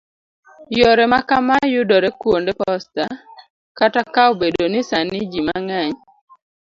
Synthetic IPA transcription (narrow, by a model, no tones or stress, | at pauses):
jɔɾɛmakamajʊdɔɾɛkwondepɔsta | katakaobedonɪsanɪd͡ʒimaŋaɲ